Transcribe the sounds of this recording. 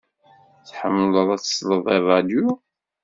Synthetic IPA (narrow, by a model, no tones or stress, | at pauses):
θħə̰mːləðˤæt͡ssləðˤerˤɑd̪ju